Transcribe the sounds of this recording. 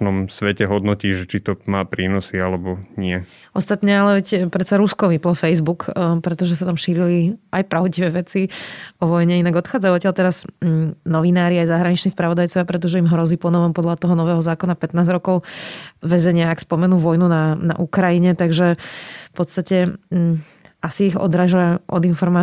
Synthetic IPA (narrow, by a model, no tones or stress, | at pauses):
nɔmsʋɛcɛɦɔd̪nɔciːʒɛt͡ʃit̪ɔmaːpɾiːnɔsialɛbɔɲɪɛ | ʔɔst̪at̪ɲɛalɛʋɛcpɾɛt̪saɾuskɔʋiplɔfɛjzbukpɾɛt̪ɔʒɛsat̪amʃiːɾiliajpɾaʊɟiʋɛʋɛt͡siɔʋɔjɲɛinaɡɔt̪xaːd͡zajuɔtcjalt̪ɛɾaznɔʋinaːɾiajzaɦɾaɲit͡ʃniːspɾaʋɔd̪ajt͡sɔʋjapɾɛt̪̬ɔʒɛimɦɾɔziːpɔnɔʋɔmpɔd̪lat̪ɔɦɔnɔʋɛːɦɔzaːkɔnapɛt̪naːzɾɔkɔʊʋɛzɛɲɪaːkspɔmɛnuːʋɔjnunana̰ʔukɾajiɲɛt̪aɡʒɛfpɔt̪st̪acɛ | asiiɣɔ̰d̪ɾaːʒaʔɔ̰d̪infɔɾmaː